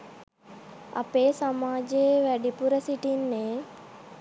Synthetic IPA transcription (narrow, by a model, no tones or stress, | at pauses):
a̰peːsamaːd͡ʒeʋæɖipuɾəsiʈinːeː